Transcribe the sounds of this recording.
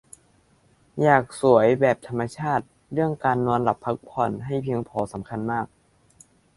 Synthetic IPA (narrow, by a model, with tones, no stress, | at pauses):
jaː˨˩k̚su˩˦əjbɛː˨˩p̚t̪ʰa˧mːa˧t͡ɕʰaː˥˩t̪̚ | ɾɯ˥˩əŋkaː˧nːɔː˧nla˨˩pʰːa˦˥k̚pʰɔ˨˩nɦa˥˩jpʰi˧˦əŋpʰɔː˩˦sa˩˦mkʰa˧nmaː˥˩k̚